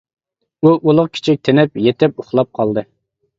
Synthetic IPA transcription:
uʔulˠʊʁkʲʰɪ̥t͡ʃʰɪk̚ʲt̪ʰenɪpjet̪ʰɪpuχlˠɑp̚qʰɑlˠd̪ɨ

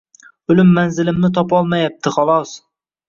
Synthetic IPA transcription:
ʊlɪmːanzɪlɪmnɪt̪ʰɒpɒlˠmajap̚t̪ʰɪχɒlˠɒs

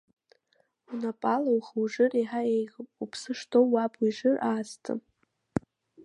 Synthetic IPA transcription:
unapʼalawχwʐɨriħaejʁpupʰsɨʂtʰowːapʰʼwiʐɨraːstʰɨ̰

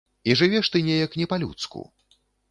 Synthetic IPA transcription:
iʐɨvʲɛʂt̪ɨnʲɛjɐknʲɛpalʲṵt̪skṵ

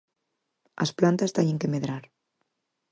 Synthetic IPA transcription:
a̰splant̪ast̪eɲeŋkemeðɾaɾ

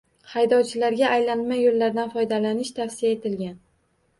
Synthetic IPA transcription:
hajd̪ɒwt͡ʃʰɪlaɾɡʲaʔːjlanmajolːaɾd̪anfɒjd̪alanɪʃt̪ʰafsɪjaet̪ʰɪlɡʲan

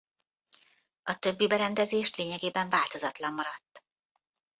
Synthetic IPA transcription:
ɒt̪ø̞bːibɛɾɛnd̪ɛzeːʃt̪leːɲɛɡeːbɛɱvaːlt̪o̞zɒt̪lɒmːɒɾɒt̪ː

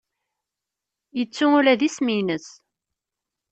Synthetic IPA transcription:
jət͡sːʊʊɾæðisminəs

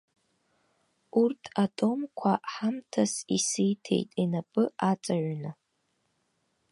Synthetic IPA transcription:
urtʰatʼo̞mkʷʰaħamtʰasisɨjtʰe̞̰jtʼinapʼɨat͡sʼaʕʷnɨ

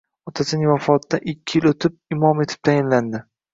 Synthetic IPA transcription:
ɒt̪ʰasɪnɪŋvafɒt̪dːaʔɪkʲʰːɪjɪlot̪ʰɪp̚ɪmɒme̞t̪ʰɪ̥p̚t̪ʰajɪnland̪ɪ

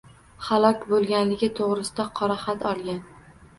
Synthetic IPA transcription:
halˠɒkʲbolˠɡʲanlɪɡʲɪt̪ʰoʁɾɪsɪd̪aqʰɒɾaχat̪ʰɒlˠɡʲan

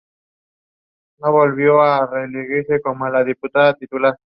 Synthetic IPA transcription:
no̞βo̞lβjoareliɣiɾseko̞molaðiput̪aðat̪it̪ula

